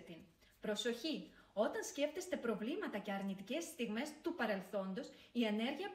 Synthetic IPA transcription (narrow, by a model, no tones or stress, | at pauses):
t̪in | pɾo̞so̞çio̞t̪ɐnsce̞ft̪e̞st̪e̞pɾo̞vlimɐt̪ɐce̞ɐɾnit̪ice̞st̪iɣme̞st̪upɐɾe̞lθo̞nd̪o̞sie̞ne̞ɾʝiɐp